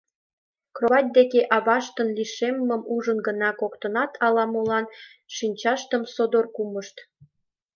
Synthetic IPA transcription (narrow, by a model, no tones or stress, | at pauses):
kroβɑt̪̚ʲd̪ekeʔɑβɑʃt̪ənliʃemːəmuʒənɡənɑkokt̪ənɑt̪ʰɑlɑmolɑn | ʃinʲt͡ɕɑʃt̪əmsod̪orkuməʃt̪